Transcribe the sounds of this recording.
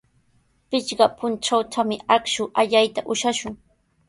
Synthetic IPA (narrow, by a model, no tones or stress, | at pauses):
pɪt͡ʃɢɑpʊnt͡ʃawt͡ʃ̪ʰamɪakʃʊʔaʎajt̪aʔʊʃaʃʊŋ